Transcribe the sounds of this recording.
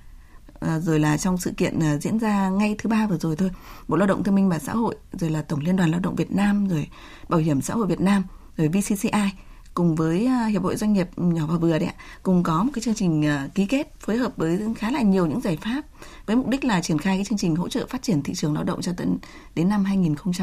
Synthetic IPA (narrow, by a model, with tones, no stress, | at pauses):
ʔzo˨˩jlaː˨˩t͡ɕɔ˧wŋ͡msɨ̰˧˨kḭ˧˨ənː˨˩zḭ˧˥ənzaː˧ŋa˧jt̪ʰɨ˨˦ɓaː˧vɨ˨˩zo˨˩jt̪ʰo˧jɓo̰˧˨laː˧wɗə̰˧˨ŋ͡mt̪ʰəmi˧ŋmaː˨˩sa̰ː˧˥ho̰˧˨jzo˨˩jlaː˨˩t̪ə˧˩wŋ͡mli˧ənɗwa˨˩nlaː˧wɗə̰˧˨wŋ͡mvi˨˩ət̚naː˧mzo˨˩j | ɓaː˧˩whi˧˩əmsa̰ː˧˥ho̰˧˨jvi˨˩ət̚naː˧m | zo˨˩jvi˧si˧si˧ʔaː˧j | kʊ˨˩ŋ͡mvəː˨˦jhi˧˩əp̚ho̰˧˨zwa˧jŋ̟ɲi˨˩əp̚ɲɔ˧˩vaː˨˩vɨ˨˩əɗa˨˦ʔa̰˧kʊ̰˨˩ŋ͡mkɔ˨˦mo˨˩kaː˨˦jt͡ɕɨ˧əŋt͡ɕï˨˩ŋ̟ʔki˨˦ke˦˥t̚foː˨˦jɦəː˨˩p̚vəː˨˦jxaː˨˦laː˨˩ɲi˨˩əwɲɨ̰˧˥ŋzaː˧˩jfaː˦˥p̚ | vəː˨˦jmʊ˨˩k͡p̚ɗï˦˥k̟̚laː˨˩t͡ɕi˧˩ənxaː˧jaː˨˦t͡ɕɨ˧əŋt͡ɕï˨˩ŋ̟ɦo̰˧˥t͡ɕə̰ː˧˨faː˦˥t̚t͡ɕi˧˩ənt̪ʰḭ˧˨t͡ɕɨ˨˩əŋlaː˧wɗə̰˧˨ŋ͡mt͡ɕɔ˧t̪ə̰˧˦n | ɗe˨˦nːa˧mɦaː˧jŋi˨˩nxə˧wŋ͡mt͡ɕ